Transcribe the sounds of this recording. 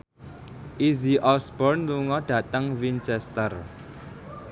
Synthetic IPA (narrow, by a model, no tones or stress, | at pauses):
ʔiziʔɔsbɔrnluŋɔɖ̥ä̤t̪əŋwint͡ʃɛst̪ər